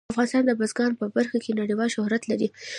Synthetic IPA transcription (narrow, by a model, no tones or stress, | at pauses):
afɣɑnɪst̪ɑnd̪əbazɡɑnpəbaɾxakʰenaɽiwɑlʃʊhɾat̪laɾi